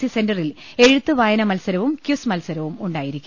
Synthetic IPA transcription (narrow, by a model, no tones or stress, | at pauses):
ise̞ndɐrile̞ɻut̪ːɨʋaːjɐnɐmɐlsɐɾɐʋumkjuːsmɐlsɐɾɐʋumuɳɖaːjiɾikʲːu